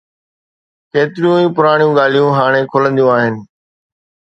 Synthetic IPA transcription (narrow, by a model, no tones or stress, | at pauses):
keːt̪ɪɾijũːĩːpʊɾaːɳ̃jũːɠaːl̤ijũɦaːɽ̃ẽːkʰʊlə̃nd̪jũaːɦɪnɪ̆